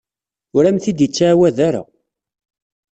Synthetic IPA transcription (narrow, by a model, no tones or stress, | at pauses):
ʊɾæmθid̪jət͡sːaːwæðaɾa̰